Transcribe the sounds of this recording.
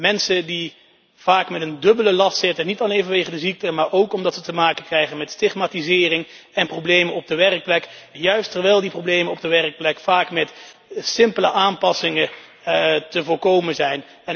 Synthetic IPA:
mɛnsədi | v̥aːkmɛtəndɵbələlɑstsɪtənitɑlejnvɑnʋejχədəzik̚təmaːɹʔowkɔmdɑtsətəmaːkəkrɛjχənmɛtstɪχmaːtizɪːrɪŋ | ɛnprowblejmənɔb̚dəʋɛrək̚plɛkjœɥstəɹʋɛjlˠdiprowblejmənɔb̚dəʋɛrək̚plɛkfaːkmɛt | sɪmpələʔaːmpɑsɪŋə | təvʊːɹkowmənzɛjn | ɛn

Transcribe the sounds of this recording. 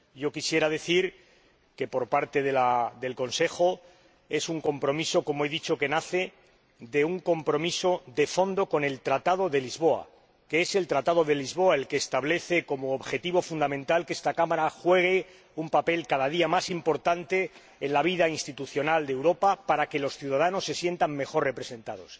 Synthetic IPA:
ɟ͡ʝo̞kisje̞ɾaðe̞θiɾ | ke̞po̞ɾpaɾt̪e̞ðelaðe̞lko̞nse̞xo̞ | e̞suŋko̞mpɾo̞miso̞ko̞moeðit͡ʃo̞ke̞naθe̞ | ðe̞uŋko̞mpɾo̞miso̞ðe̞fo̞nd̪oko̞ne̞lt̪ɾat̪að̞o̞ðe̞lizβo̞a̰ | keese̞lt̪ɾat̪aðo̞ðe̞lizβo̞ae̞lke̞ːst̪aβle̞θe̞ko̞mo̞ːβxe̞t̪iβo̞fund̪amẽ̞nt̪alke̞st̪akamaɾaxwe̞ɣ̞e̞ | umpape̞lkaðað̞iamasimpo̞ɾt̪ant̪e̞ː | nlaβ̞iðainst̪it̪uθjo̞nald̪ewɾo̞papaɾake̞lo̞sθjuðað̞ano̞sːe̞sje̞nt̪aŋme̞xo̞rre̞pɾe̞sẽ̞nt̪a̰ðo̞̰s

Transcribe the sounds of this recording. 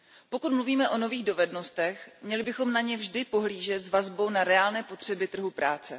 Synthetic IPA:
po̞kut̪mluviːmɛʔo̞no̞viːɣdo̞vɛdno̞st̪ɛxmɲɛlɪbɪxomnaɲɛvʒdɪpo̞ɦliːʒɛt̪zvazbo̞wnaɾɛaːlnɛːpo̞t̪r̝̥ɛbɪt̪r̩ɦupɾaːt͡sɛ

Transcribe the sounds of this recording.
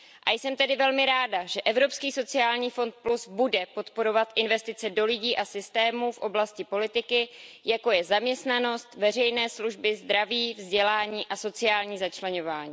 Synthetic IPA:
ʔajsɛmt̪ɛdɪvɛlmɪɾaːdaʒɛʔɛvɾo̞pskiːso̞t͡sɪaːlɲiːfo̞nt̪̚plusbudɛpo̞t̪po̞ɾo̞vat̪ʔɪnvɛst̪ɪt͡sɛdo̞lɪɟiːʔasɪst̪ɛːmuːfʔo̞blascɪpo̞lɪt̪ɪkɪjako̞jɛzamɲɛst̪nano̞st̪vɛr̝ɛjnɛːsluʒbɪzd̪ɾaviːvzɟɛlaːɲiːʔaso̞t͡sɪaːlɲiːzat͡ʃlɛɲo̞vaːɲiː

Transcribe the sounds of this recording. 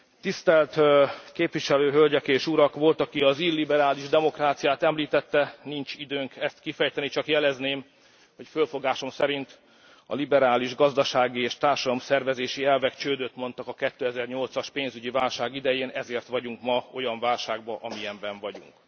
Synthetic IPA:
t̪ist̪ɛlt̪keːpʋiʃɛløːɦølɟɛkeːʃuɾɒkʋo̞lt̪ɒkiɒziːrlːibɛɾaːliʒd̪ɛmo̞kraːt̪sijaːt̪ɛmliːt̪ɛt̪ːɛnint͡ʃid̪øːŋkɛst̪kifɛjt̪ɛnit͡ʃɒkjɛlɛzneːm | ho̞cfølfo̞ɡaːʃo̞msɛɾint̪ | ɒ̰libɛɾaːliʒɡɒzd̪ɒʃaːɡieːʃt̪aːrʃɒd̪ɒmsɛrvɛzeːʃiɛlvɛkt͡ʃøːd̪øt̪mo̞n̪t̪ɒkɒkɛt̪ːøːɛzɛrɲo̞lt̪sɒʃpeːnzyɟivaːlʃaːɡid̪ɛjeːnɛzeːrt̪ʋɒɟuŋkmɒo̞jɒɱvaːlʃaːɡ̚bɒʔɒmijɛɱbɛɱvɒɟṵŋk

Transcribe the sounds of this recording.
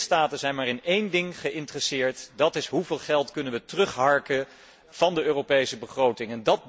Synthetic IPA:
staːtənzɛjnmaːɾɪnejndɪŋχəʔɪntrəsɪːɹtdɑtɪsɦuvɪːlˠχɛlˠtkɵnənʋətrɵχɦɑɹkə | v̥ɑndəøːrowpejsəbəχrowtɪŋɛndɑt̚

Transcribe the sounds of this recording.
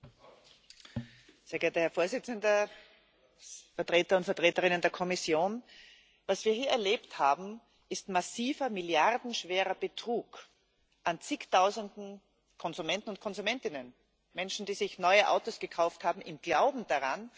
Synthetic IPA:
z̥eːɐɡeːɐtəhɛɐfoːɐzɪt͡səndɐ | fɛɐtʁeːtɐʊntfɛɐtʁ̥eːtəʁɪnəndeːɐkʰɔmɪsjoːn | vasv̥iːɐhiːɐɛɐleːpthaːbm̩ | ʔɪstmasiːvɐmɪljaʁdn̩ʃv̥eːʁɐb̥ətʁ̥uːk | ʔant͡sɪktʰaʊzəndn̩ | kʰɔnzumɛntn̩ʊnt̚kʰɔnzumɛntɪnən | mɛnʃn̩diːzɪçnɔʏəʔa̰ʊtosɡ̥əkʰaʊfthaːbm̩ʔɪmɡ̥laʊbm̩d̥aʁan

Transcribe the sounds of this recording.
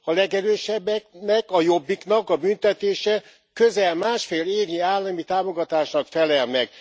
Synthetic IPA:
ɒlɛɡɛɾøːʃɛbːɛknɛkɒjo̞bːikn̪ɒkɒbynt̪ɛt̪eːʃɛ | kø̞zɛlmaːʃfeːleːɡɲiaːlːɒmit̪aːmo̞ɡɒt̪aːʃnɒkfɛlɛlnɛk

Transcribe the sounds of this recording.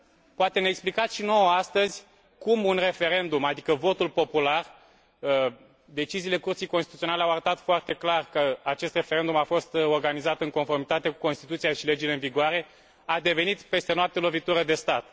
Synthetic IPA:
poat̪e̞neːksplikat̪sʃino̞wəast̪əzʲ | kumunre̞fe̞ɾe̞nd̪umad̪ikəvo̞t̪ulpo̞pular | ə | d̪e̞t͡ʃiziːle̞kurt̪sijkonst̪it̪uio̞nale̞awaɾət̪at̪foart̪e̞klarkəat͡ʃe̞st̪re̞fe̞ɾe̞nd̪umafo̞st̪o̞rɡanizat̪ɨŋko̞nfo̞rmit̪at̪e̞ku̥ko̞nst̪i̥t̪ut̪sijaʃile̞d͡ʒile̞ɨnviɡoaɾe̞ | ad̪e̞ve̞nit̪pe̞st̪e̞noap̚t̪e̞lo̞vit̪uɾəd̪e̞st̪at̪̚

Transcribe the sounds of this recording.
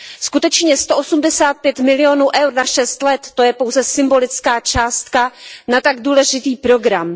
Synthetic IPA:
skut̪ɛt͡ʃɲɛst̪o̞ʔosumdɛsaːt̪̚pjɛt̪mɪlɪjo̞nuːʔɛwɾnaʃɛst̪lɛt̪ːo̞jɛpo̞wzɛsɪmbo̞lɪt͡skaːt͡ʃaːst̪kanat̪aɡduːlɛʒɪt̪iːpɾo̞ɡɾam

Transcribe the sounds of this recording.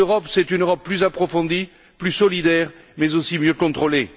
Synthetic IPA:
øʁɔpsɛt̪ynøʁɔpːlyzapχɔfɔ̃d̪i | plysɔlid̪ɛʁmɛzosimjøkɔ̃t̪χole

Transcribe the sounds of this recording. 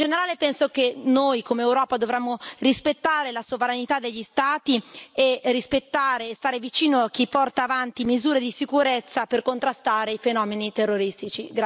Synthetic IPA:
d͡ʒeneɾaːlepɛnsok̟enojkomeːwɾɔːpad̪ovɾɛmːorispet̪ːaːɾelasovɾanit̪ad̪ːeʎːist̪aːt̪ierispet̪ːaːɾeːst̪aːɾevit͡ʃiːnoak̟ːipːɔrt̪aːvant̪imizuːɾed̪isikuɾet̪sːaperkont̪ɾast̪aːɾeifenɔːmenit̪erːoɾist̪it͡ʃiɡ

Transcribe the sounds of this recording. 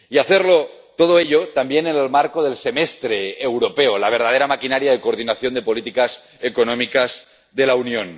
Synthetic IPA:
iaθeɾlo | t̪oð̞oeʎot̪ambjenenelmaɾkoð̞e̞lse̞mest̪ɾeːwɾope̞olaβ̞eɾð̞að̞eɾamakinaɾjaðekoːɾðinaθjo̞nd̪e̞po̞lit̪ikas | ekonõmikaz | ðe̞launjõ̞n

